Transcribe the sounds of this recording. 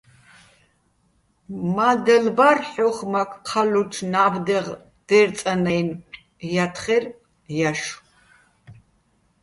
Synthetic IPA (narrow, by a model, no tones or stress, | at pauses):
mad̪ɛlbarħɔχmakʰqʰalut͡ʃʰnabd̪ɛʁ | d̪̥ɛɾt͡sʼanɛjn | jat̪ʰχɛr | jaʃu